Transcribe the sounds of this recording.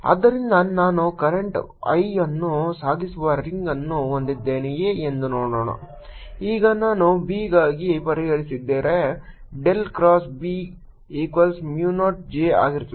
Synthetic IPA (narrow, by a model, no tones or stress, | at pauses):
ɐ̰d̪ːɐɾind̪ɐnaːnukɐɾeɳʈ | ɐ̰jɐnːusaːɡisuʋɐɾiŋɡɐnːuond̪id̪ːeːnijeːend̪unoːɽoːɳɐ̰ | iːɡɐnaːnubiːɡaːɡipɐɾiɦɐɽisid̪ːeːɾe | ɖelkɾaːsbiː | iːkʋɐlsmjuːnoːʈ̚d͡ʒeːa̰ːɡiɾt̪iʋ